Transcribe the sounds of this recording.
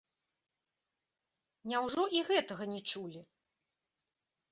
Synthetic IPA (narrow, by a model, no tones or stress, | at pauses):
nʲawʐɔʔiɣɛt̪ɐɣɐnʲɛt͡ʂulʲi